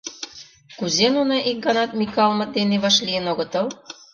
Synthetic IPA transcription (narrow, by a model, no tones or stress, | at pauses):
kuzenunɑʔik̚ɡɑnɑt̪̚mʲikɑlmɑ̆t̪̚d̪eneβɑʃlʲijənoɣɤ̆t̪ɤ̆l